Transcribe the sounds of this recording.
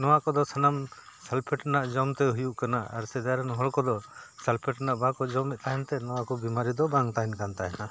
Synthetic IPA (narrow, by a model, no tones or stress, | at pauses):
nɔwakɔd̪ɔsanamsalpʰɛʈnaʔd͡ʒɔmt̪ɛɦujuʔkanaa̰ɾsɛd̪aɾɛnɦɔɭkɔd̪ɔsalpʰɛʈnaʔbakɔd͡ʒɔmɛʔ̪̚t̪aɦɛnt̪ɛnɔwakɔbimaɾid̪ɔbaŋt̪aɦɛnkant̪aɦɛna